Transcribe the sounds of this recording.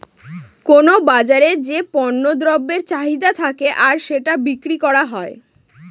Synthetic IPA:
konobad͡ʑaɾed͡ʑepɔnːod̪ɾɔbːeɾt͡ɕaɦid̪at̪ʰakeʔaɾʃeʈabikɾikɔɾaɦɔe

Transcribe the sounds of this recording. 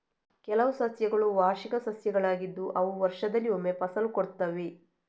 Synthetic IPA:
kɛlɐʋusɐsjɐɡɐɭuʋaːɾʃikɐsɐsjɐɡɐɭaːɡid̪ːuʔɐʋuʋɐɾʂɐd̪ɐlːiomːe̞pɐsɐlukoɽt̪ːɐʋe̞

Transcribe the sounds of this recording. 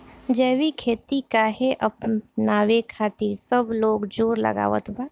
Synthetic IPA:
d͡ʒɛːwikʰeːt̪ikaɦeʔəpnaːwekʰaːt̪iːɾsəbloːɡd͡ʒoːɾlə̰ɡa̰ːʋə̰t̪ba

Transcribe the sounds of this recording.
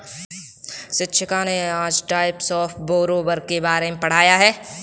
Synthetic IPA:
sɪtːʃʰəkãneaːd͡ʒʈaːɪpsɔːfboːɾoːbəɾkebaːɾemepɐɽ̤aːjaɦɛː

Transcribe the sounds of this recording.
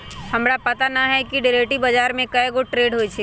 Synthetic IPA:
hɐmɾapɐt̪anɐɦɛkiɖɪɾeːʈibəd͡ʒaːɾmẽkɐeɡoʈɾeːɖɦoit͡ʃʰe

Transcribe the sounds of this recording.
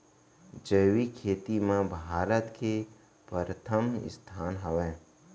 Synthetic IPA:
d͡ʒəjwikʰeːt̪imẽbʱaːɾət̪ke | pəɾət̪ʰəmɪ̰st̪ʰaːnɦəʋẽː

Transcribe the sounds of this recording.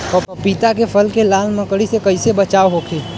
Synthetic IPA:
ɔːpɪt̪akepʰəlkelaːlməkɽisekɐɪsebət͡ʃaːoɦokʰeː

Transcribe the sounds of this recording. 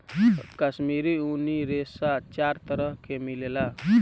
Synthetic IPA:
kəsmiɾiuniɾessat͡ʃaɾt̪əɾəɦkʰemilela

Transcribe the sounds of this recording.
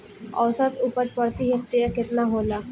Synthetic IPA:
ə̰wsat̪upət̪pəɽt̪iɦəkt̪iaket̪naɦola

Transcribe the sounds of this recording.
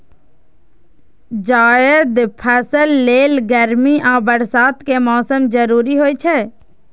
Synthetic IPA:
d͡ʒaːjəd̪pʰəsəlːeːlɡəɾmiʔãːbəɾsaːt̪kemɔːsəmd͡ʒəɾuːɾiɦoːit͡ʃʰɛː

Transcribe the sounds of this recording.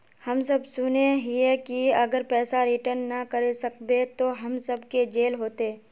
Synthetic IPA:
hɐmsəbsʊneɦiekiɐɡəɾpɛːsaɾɪʈəɾnːəkəɾesɐkbet̪oɦɐmsəbked͡ʒeːlɦoːt̪eː

